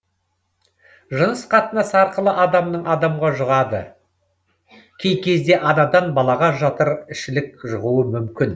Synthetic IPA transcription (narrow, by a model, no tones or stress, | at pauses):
ʒənəsqʰɑt̪ənɑsɑɾqəlˠəʔɑd̪ɑmnəɴɑd̪ɑmʁɑʒʊʁɑd̪ə̰ | kʲʰe̞jkʲe̞zd̪e̞ʔɑnɑd̪ɑnbɑlˠɑʁɑʒɑt̪əɾɪʃɪlɪk̚ʒʊʁuəmʏmkʲɪn